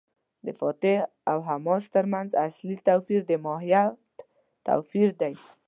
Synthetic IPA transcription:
d̪əfɑt̪ɪ | awɦamɔst̪əɾmanzaslit̪awfiɾd̪əmɔɦija | t̪a̰wfiɾd̪aj

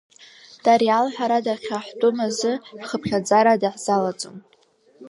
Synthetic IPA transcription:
d̥aɾialħaɾadaχʲaħtʼomazɨħχəpʰχʲad͡zaɾadaħz̥alat͡sʼo̰m

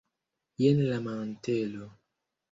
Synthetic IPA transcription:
jenlamantelo

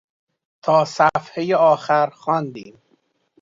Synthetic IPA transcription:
t̪ʰɒːsæfhejeɒːxæɾxɒːnd̪iːm

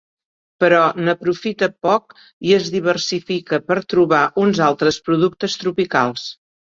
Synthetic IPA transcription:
pəɾɔnəpɾufit̪əpɔk | iəzðiβ̞ərsifikəpəɾt̪ɾuβaʔunzalˠt̪ɾəspɾuðuk̚t̪əst̪ɾupika̰lˠs

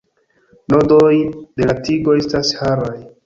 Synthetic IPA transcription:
nodojde̞latiɡo̞e̞stashaɾaj

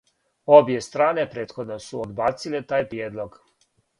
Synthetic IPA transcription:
o̞bjest̪ɾaːne̞pɾe̞ːt̪xo̞d̪nosuod̪baːt̪silet̪aːjpɾijeːd̪lˠoɡ

